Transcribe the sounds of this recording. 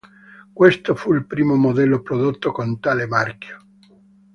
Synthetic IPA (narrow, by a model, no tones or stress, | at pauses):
kwest̪ofuilpɾiːmomod̪ɛlːopɾod̪ot̪ːokont̪alemarkjo̥